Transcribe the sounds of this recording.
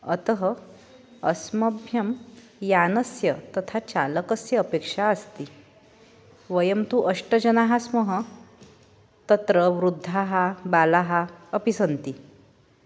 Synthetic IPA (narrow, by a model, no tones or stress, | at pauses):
ət̪əɦə | əsməbʱjəm | janəsjət̪ət̪ʰat͡ɕaləkəsjəːpekʂaəst̪i | ʋəjəmt̪uʔəʂʈəd͡ʑənaɦasməɦə | t̪ət̪ɾəʋɾud̪ʱːaɦabalaɦaːpisənt̪i